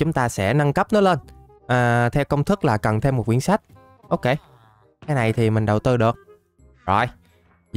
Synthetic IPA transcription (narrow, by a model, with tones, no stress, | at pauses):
t͡ɕʊ˨˦ŋ͡mt̪aː˧sɛ̰˧˥na˧ŋkə˦˥p̚nɔ˨˦jle˧n | ʔəː˨˩t̪ʰɛ˧wkə˧wŋ͡mt̪ʰɨ˦˥k̚laː˨˩kə˨˩nt̪ʰe˧mo˨˩t̚kwi˧˥ənsa˦˥jk̟̚ | ʔo˧wke˧ | kaː˨˦jna˨˩jt̪ʰi˨˩mï˨˩ŋ̟ɗə˨˩wt̪ɨ˧ɗɨ˨˩ək̚ | ɔ̰˧˩j